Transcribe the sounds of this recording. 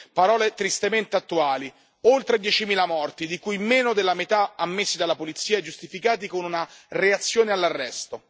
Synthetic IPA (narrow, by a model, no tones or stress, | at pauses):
paɾɔːlet̪ɾist̪ement̪eat̪ːuaːli | olt̪ɾed̪jɛt͡ʃimiːlamɔrt̪id̪ikujmeːnod̪elːamet̪aamːesːid̪alːapolit̪sːiːaɛd͡ʒust̪ifikaːt̪ikonunareat̪sːjoːnealːarːɛst̪o